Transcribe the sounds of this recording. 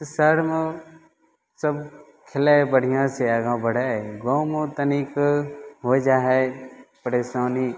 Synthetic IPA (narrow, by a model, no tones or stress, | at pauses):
səɾmẽ | səb | kʰɪlaːbəɽ̤ijãːseaɡãːbəɽ̤aːeɡõmẽt̪əniːkɦoːd͡ʒaːɦɛpəɾeːsaːniː